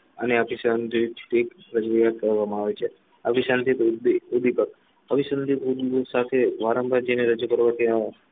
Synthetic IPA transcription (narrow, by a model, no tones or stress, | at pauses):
əneapisand̪it̪ekpɾəkɾijakəɾʋamãaʋet͡ʃʰe | aʋisənd̪it̪ud̪ipək | əʋisənd̪it̪ud̪sat̪ʰeʋaɾəmbʱaɾd͡ʒeneɾəd͡ʒukəɾʋãt̪jã